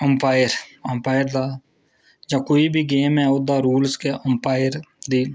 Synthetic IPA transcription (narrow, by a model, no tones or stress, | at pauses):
əmpaːɪəɾəmpaːɪəɾd̪aː | d͡ʒãːkoːiːbʱiːɡeːmɛːʊd̪aːɾuːlskeʔəmpaːɪɾd̪iː